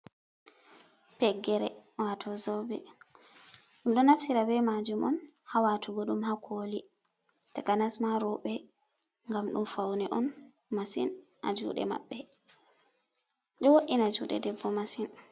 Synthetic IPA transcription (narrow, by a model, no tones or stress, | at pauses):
pɛɡɛɾɛwatʰɔzɔbɛ | ɗumɗɔnaftiɾabɛmad͡ʒumʔɔ̰nhawatʰuɡɔɗumhakʰoli | takanasmaɾɔɓɛ | ŋɡamɗumfawnɛʔɔn | masḭn | ʔa̰d͡ʒṵɗɛ̰ma̰ɓːɛ | ɗɔwoʔinad͡ʒuɗɛ̰dɛbːɔmasin